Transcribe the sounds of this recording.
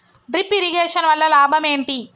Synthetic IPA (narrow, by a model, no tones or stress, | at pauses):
ɖipiɾiɡeːʂɐnʋɐlːɐlaːbʱɐme̞ːɳʈi